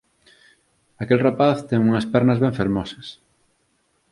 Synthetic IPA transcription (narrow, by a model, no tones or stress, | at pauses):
akelrapaθt̪ɛŋuŋɐspɛɾnɐzβɛ̃ɱfeɾmɔsɐs